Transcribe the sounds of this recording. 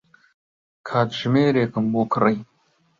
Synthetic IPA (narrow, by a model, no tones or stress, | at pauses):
kʰaːt̪ʒmeːɾeːkəmboːkʰrɐj